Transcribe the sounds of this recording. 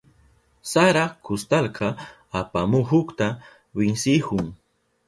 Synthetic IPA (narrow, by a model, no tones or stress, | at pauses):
saɾakʊst̪alqɑː | pamʊɦʊkt̪a | bɪŋsɪhʊŋ